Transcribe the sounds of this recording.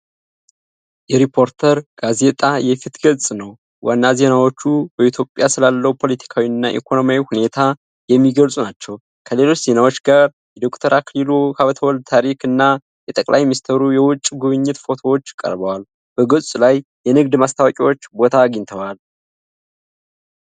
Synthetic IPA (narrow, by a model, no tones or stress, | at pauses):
jɛɾipʰo̞ɾt̪ʰəɾɡ̥aze̞t̪ʼajɛfit̪ɡəlsʼnəw | wanːaze̞nawo̞t͡ʃːubəit̪ʰjo̞pʼːjasɨlalːəwupʰo̞let̪ʰi̥kʰawiɨnːaʔḭkʰo̞no̞mjawihune̞t̪ʰa | jɛmːiɡəlsʼunat͡ʃːɛw | kʰəle̞lo̞t͡ʃːz̥e̞nawo̞t͡ʃːɡaɾ | jɛd̪o̞kt̪ʰəɾʔaklilokaβət̪ʰəwɔld̪̚t̪ʰaɾikɨnːa | jɛt̪ʼəkʼlʔa̰jminist̪ʰəɾujɛwʊt͡ʃʼːɡuβɨɲːɪt̪fo̞t̪ʰo̞wot͡ʃːkʼə̰ɾbəwal | b̥əɡəsʼlajjɛnɨɡd̪mast̪ʰawkʼiwo̞t͡ʃːbo̞t̪ʰaːɡiɲt̪ʰəwal